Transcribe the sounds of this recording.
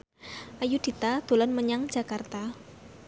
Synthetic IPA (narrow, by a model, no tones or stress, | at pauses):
ʔajud̪̥i̤t̪ad̪̥o̤lɔnməɲaŋd̥d͡ʒ̥a̤kart̪a